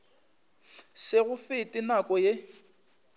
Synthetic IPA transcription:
sɪɣʊfɪtʼɪnakʼɔje

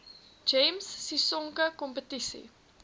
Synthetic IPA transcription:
d͡ʒemsːisɔŋkəkɔmpətisḭ

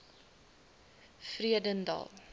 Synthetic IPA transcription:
friədəndɑ̰lˠ

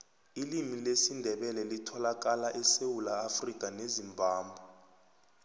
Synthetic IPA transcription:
ilimilesindʱɛɓɛlɛlitʰɔlak̬ʼalaʔɛsewulaːfrikʼanezimbʱaːmbʱa

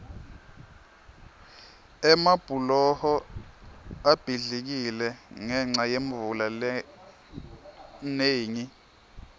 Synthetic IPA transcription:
ɛmab̥ʱulɔhɔ | ab̥ʱiɮik̬ilɛŋɛŋ͡ǀajeɱvulalɛ | neːɲi

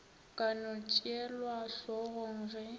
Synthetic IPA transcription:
kʼanʊt͡ʃʼjɛlwaʂɔɣɔŋɣɛ

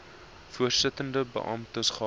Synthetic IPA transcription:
fuərsətəndəbə̰ʔɐ̰mtəsχɑ

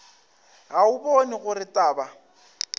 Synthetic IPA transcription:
ɣaʊbɔnɪɣʊrɪtʼaːba

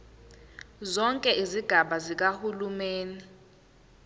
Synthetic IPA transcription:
zɔŋkʼɛʔiziɡ̥ʱaɓazik̬ahulumeːni

